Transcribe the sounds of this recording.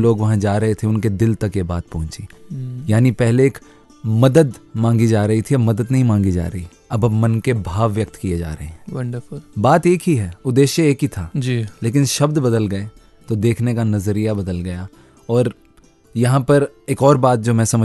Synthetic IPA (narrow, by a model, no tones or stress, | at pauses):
loːɡʋɐɦãd͡ʒaːɾɐɦet̪ʰeʊnked̪ɪlt̪ɐkjebaːt̪̚pɐɦʊ̃t͡ʃijaːnipɛɦleeːk | mɐd̪əd̪mãːŋɡid͡ʒaːɾɐɦit̪ʰiɐbmɐd̪əd̪nɐɦĩmãːŋɡid͡ʒa̰ːɾɐɦi | ɐbɐbmɐnkebʱaːʋːjɐk̚t̪kied͡ʒa̰ːɾɐɦeɦɛ̃ːʋɐɳɖəpbaːt̪eːkɦiɦɛːʊd̪ːeːʃjəeːkɦit̪ʰaːd͡ʒileːk̬ɪnʃɐbd̪bɐd̪əlɡɐe | t̪od̪eːkʰnekanɐzɾijabɐd̪əlɡɐja | ɔːɾ | jɐɦãpɐɾeːkɔːɾbaːt̪̚d͡ʒoːmɛ̃ːsɐmə